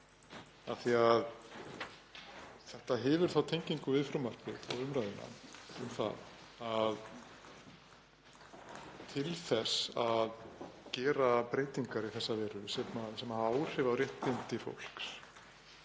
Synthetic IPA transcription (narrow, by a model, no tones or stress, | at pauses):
aθiað | θɛht̪aɦɛːvʏɾ̥θawt̪ʰejɲciŋkʏvɪðfɾʏmar̥cɪ̰θawʏmɾajðɪna̰ʏmθa̰ð | að | t̪ʰɪlθɛsaðcɛːɾapɾeːjt̪iŋkaɾiθɛsːavɛːɾʏsɛt̪nasɛmaaːwr̥ɪvawrjɛht̪ːɪnt̪ɪfo̰wl̥ks